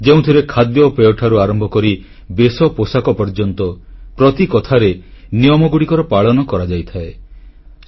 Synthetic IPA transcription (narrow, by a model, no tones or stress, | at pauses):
d͡ʒeũt̪ʰiɾekʰad̪jɔpeɔʈʰaɾuaɾɔmbʱɔkɔɾi | besɔposakɔpɔɾd͡ʒɔnt̪ɔpɾɔt̪ikɔt̪ʰaɾenijɔmɔɡuɽikɔɾɔpaɭɔnɔkɔɾad͡ʒajt̪ʰae